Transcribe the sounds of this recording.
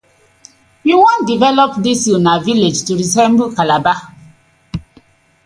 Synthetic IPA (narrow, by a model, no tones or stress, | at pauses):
juwɔ̃ndivɛlɔpdisinaviled͡ʒtuɹisɛ̃mbl̩kalaba